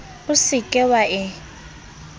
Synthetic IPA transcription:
ʊsɪkʼɛwaʔɪ

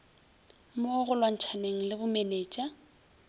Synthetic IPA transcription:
moɣʊlwaŋ̩t͡ʃʰaneŋ̩lɪbʊmeneːt͡ʃʼa

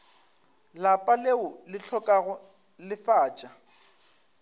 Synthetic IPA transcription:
lapʼaleʊlɪɬʰɔkʼaɣʊ | lɪfaːt͡ʃʼa

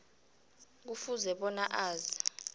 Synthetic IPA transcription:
k̬ufuzɛɓɔnaʔaːza

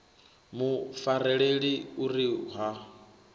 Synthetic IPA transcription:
mufaɾɛɺeɺiuɾiɦa

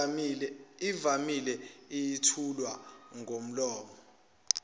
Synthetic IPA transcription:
ivamilɛijitʰulwaŋʱom̩lɔːmɔ

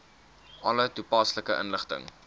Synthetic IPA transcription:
ʔɐlətupɑsləkəʔə̰nləχtə̰ŋ

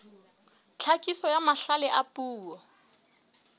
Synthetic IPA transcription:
t͡ɬʰakʼisɔjamaɬalɛʔapʼuːɔ

